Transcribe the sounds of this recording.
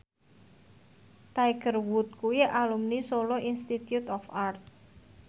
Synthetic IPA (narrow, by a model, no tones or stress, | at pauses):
t̪aiɡ̥ərwut̪̚kuwialumnisoloinst̪it̪jut̪ɔfart̪̚